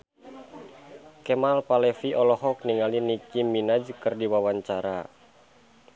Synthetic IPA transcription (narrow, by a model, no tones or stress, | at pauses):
kɛmalpalɛfiʔɔlɔɦɔk̚niŋalinikimːinad͡ʒkɨrdiwawaɲt͡ʃaɾa̰